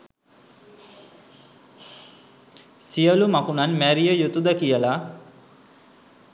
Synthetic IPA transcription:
sijəlumakunanmæɾijəjut̪ud̪əkijəla

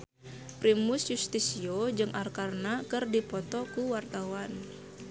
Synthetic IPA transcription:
pɾimʊsjust̪isiod͡ʒɨŋʔarkarnakɨrdipɔt̪ɔkuwart̪awan

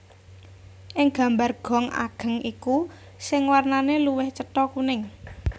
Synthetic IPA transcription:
ʔɪŋɡ̥a̤mbarɡ̥ɔ̤ŋa̰ɡ̥ə̤ŋʔiku | sɪŋwarnaneluwɪht͡ʃətɔkunɪŋ

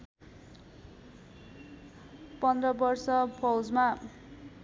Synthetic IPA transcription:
pʌnd̪rʌbʌrsʌbʰʌwd͡zma

